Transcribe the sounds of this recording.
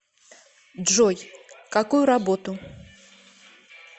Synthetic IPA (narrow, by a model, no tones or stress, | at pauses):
dʐɔjkakujʊɾabot̪ʊ